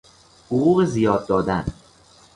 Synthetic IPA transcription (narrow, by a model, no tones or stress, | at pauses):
hoʁuːɣezijɒːd̪̚ːɒːd̪æn